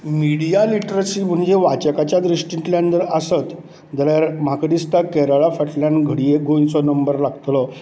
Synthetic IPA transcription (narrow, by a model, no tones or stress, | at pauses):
miɽijaliʈɾəsim̤əɳd͡ʑeʋat͡ɕəkat͡ɕjad̪ɾiɕʈĩʈ̪ljãnd̪əɾəsət̪ | d͡z̪əɾjaɾm̤akɖist̪akɛɾaɭafəʈlanɡʱəɽijeɡont͡sɔnəmbəɾlaɡt̪lɔ